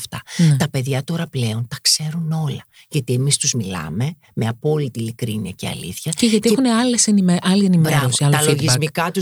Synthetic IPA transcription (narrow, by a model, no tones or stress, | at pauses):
ft̪ɐnt̪ɐpe̞ðʝɐt̪o̞ɾɐple̞o̞nt̪ɐkse̞ɾuno̞lɐ | ʝɐt̪iemist̪uzmilɐ̰me̞ | meɐpo̞lit̪ilikɾiniɐ̰ce̞̰ɐ̰lḭθçɐceʝɐt̪ieeuneɐlesenimeʔɐlienimeɾosit̪ɐllioʝizmikɐt̪u